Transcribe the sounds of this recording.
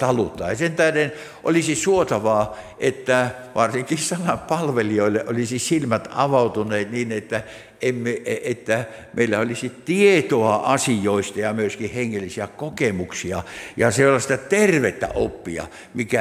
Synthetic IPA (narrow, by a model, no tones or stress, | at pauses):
t̪ɑlut̪ːˑɑːjɑsent̪æhden | ʔo̰lisisuot̪ɑʋɑː | ʔet̪ːæ | ʋɑrsiŋkisɑnɑppɑlʋelioilːeʔolisisilmæt̪ɑʋɑut̪uneːt̪niːnet̪ːæ | emːeʔeʔet̪ːæmeilːæolisit̪iet̪oɑʔɑsijoist̪ɑjɑmyøskihheŋːelːisiækokemuksiɑjɑselːɑst̪ɑt̪erʋet̪ːæ̰ʔopːiɑ̰ | mikæ